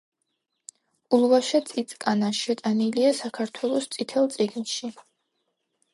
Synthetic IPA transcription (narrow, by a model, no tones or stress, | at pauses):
ulˠvaʃat̪sʼit̪sʼkʼanaʃɛt̪ʼaniliasakʰaɾt̪ʰwɛlˠɔst̪sʼit̪ʰɛlˠt̪sʼiɡnʃi